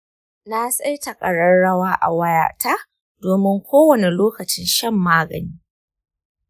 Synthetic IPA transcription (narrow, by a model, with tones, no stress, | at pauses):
naː˦sʼa˦jtɐ˨kʼɐ˨ɽɐ˦ɽɐ˦waː˦ʔa̰˨wɐ˦ja̰ː˦˨ta˦ | doː˨mɪ˦ŋkʷoː˦wɐ˦˨ne˨loː˦kɐ˨t͡ʃɪ˦nʃɐ˦mːaː˦ɡɐ˨niː˦